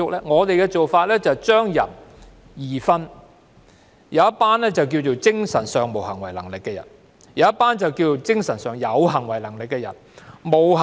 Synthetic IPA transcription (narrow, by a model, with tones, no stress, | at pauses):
ʊ˥k̚lɛː˥ŋɔː˨˧t̪e˨jkɛ˧t͡so˨wfaː˧t̚lɛː˥t͡sɐ˨˩wt͡ʃœː˥ŋjɐ˨˩n | jiː˨˩fɐ˥n | jɐ˨˧wɐ˥t̚paː˥nlɛː˥t͡sɐ˨wk̬i˧wt͡ʃo˨wt͡sɪ˥ŋsɐ˨˩nsœː˨˧ŋmo˨˩whɐ˨˩ŋwɐ˨˩jlɐ˨˩ŋlɪ˨kːɛː˧jɐ̰˨˩n | jɐ˨˧wjɐ˥t̚paː˥nt͡sɐ˨˩wkiː˧wt͡so˨wt͡sɪ˥ŋsɐ˨˩nsœː˨ŋjɐ˨˧wɦɐ˨˩ŋwɐ˨˩jlɐ˨˩ŋlɪ˨kːɛː˧jɐ̰˨˩nmo˨˩wh